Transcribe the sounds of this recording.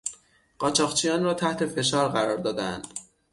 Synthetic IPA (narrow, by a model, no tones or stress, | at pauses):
ɢ̥ɒːt͡ʃʰɒːɣt͡ʃʰijɒːnrɒːt̪ʰæht̪ʰe̞fe̞ʃɒːɾɢæɾɒːɾd̪ɒːd̪ænd̪̥